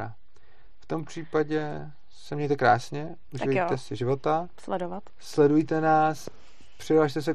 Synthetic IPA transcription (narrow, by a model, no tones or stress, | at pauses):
a | ft̪o̞mpr̝̥iːpaɟɛ | sɛmɲɛjt̪ɛkɾaːsɲɛ | ʔuʒɪvɛɛsɪʒɪvo̞t̪aslɛdovat̪ | slɛdujt̪ɛnaːs | pr̝̥ɪdlaːʃt̪ɛs̬ɛ